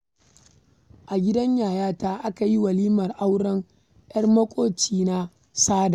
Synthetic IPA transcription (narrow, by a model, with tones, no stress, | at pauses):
ʔa˨ɡʲɪ˦dɐ˦ɲjaː˨jaː˦taː˦ʔa˦ka˨ji˦wɐ˨liː˦mɐ˨rʔa˦wɽɐ˦ŋ | jɐ˦rmɐ˦kʷʼoː˦t͡ʃiː˦na˦ | saː˦da˨